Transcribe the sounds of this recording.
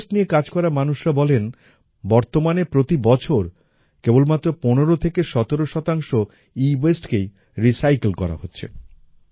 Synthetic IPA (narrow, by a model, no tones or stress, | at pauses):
sʈnijekad͡ʑkɔɾamanuʃɾabɔlen | bɔɾt̪omanepɾot̪ibɔt͡ɕʰoɾ | kebolmat̪ːɾoponeɾot̪ʰekeʃɔt̪eɾoʃɔt̪aŋʃo | iwesʈkej | ɾisajklkɔ̰ɾa̰ɦotːɕʰḛ